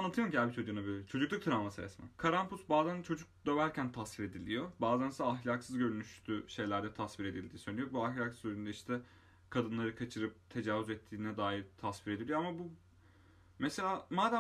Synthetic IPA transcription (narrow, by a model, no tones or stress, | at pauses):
anːˠat̪ʰɯjomcʰialʲbisod͡ʒunabøt͡ʃʰo̞d͡ʒuklˠuk̚t̪ʰɯɾamˠasɯɾɛ̰smɛ̰kʰaɾampusbaːzant͡ʃʰo̞d͡ʒuk̚d̪øvæɾcʰænt̪ʰasviɾe̞d̪ilʲijobaːzansːxlʲaksɯzɟø̞ɾynyʃt̪ʰyʃe̞jlʲæɾd̪ɛt̪ʰasvfiɾe̞d̪ilʲd̪iːsø̞jlʲijobuaxlʲaksɯzøɾynd̪ɛiʃt̪ʰɛ | kʰad̪ɯnlˠaɾɯkʰat͡ʃʰɯɾɯp̚t̪ʰe̞d͡ʒaːvyzɛt̪ʰːiːnɛd̪aːjiɾt̪ʰasviɾe̞d̪eilʲijoamabu | meselʲaːmaːd̪æ